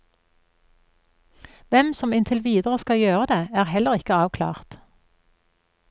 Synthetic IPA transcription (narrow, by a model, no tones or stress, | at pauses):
ʋɛmsɔmɪnt̪ʰəlʋiːd̪əʁəskɑjøːʁəd̪eːæːʁhɛləʁɪkəɑːʋkʰlɑ̰ːʁt̪